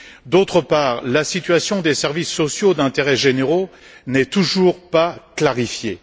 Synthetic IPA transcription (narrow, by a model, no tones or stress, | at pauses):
d̪ot̪χəpaːʁlasit̪ɥasjɔ̃d̪esɛʁvisːɔsjod̪ɛ̃t̪eʁɛʒeneʁo | nɛt̪uʒuʁpaklaʁifje